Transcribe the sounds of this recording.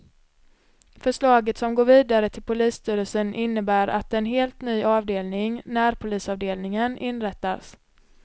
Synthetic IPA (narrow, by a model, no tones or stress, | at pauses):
fœʂɭɑːɡət̪sɔmɡoːɾviːd̪aɾət̪ʰɪlpʰʊliːst̪ʰyːɾəlsənʔɪnːəbæːɾʔa̰t̪ɛnɦeːlt̪nyːɑːvd̪eːlnɪŋnæɾpʰʊliːsɑːvd̪eːlnɪŋənɪnɾɛt̪ːas